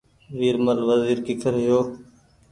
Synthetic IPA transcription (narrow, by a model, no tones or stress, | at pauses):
ʋiːɾməlʋəziːɾkɪkʰəɾɦɪjoː